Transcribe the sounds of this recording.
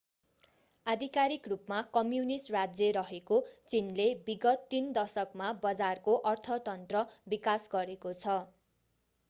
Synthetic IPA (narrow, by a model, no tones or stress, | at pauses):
ad̪ʱikaɾikrupmakʌmjunisʈrad͡zjʌɾʌɦekot͡sinlebiɡʌt̪ːind̪ʌsʌkmabʌd͡zarkoʔʌrt̪ʰʌt̪ʌnt̪rʌbikasɡʌɾekot͡sʰʌ